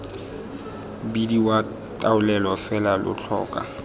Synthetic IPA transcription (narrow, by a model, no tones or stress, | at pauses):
bidiwa | tʼaʊlɛlɔfɛlalʊ̰t͡ɬʰɔ̰ːkʼa̰